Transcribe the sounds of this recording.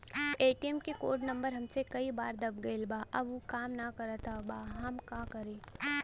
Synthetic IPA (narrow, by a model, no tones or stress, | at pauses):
eːʈiɛmkeko̰ːɾɖnɐ̃mbəɾɦɐmsekɐibaːɾd̪ɐb̚ɡɐilbaːʔɐbukaːmnakɐɾət̪abaːɦɐmkaːkɐɾẽː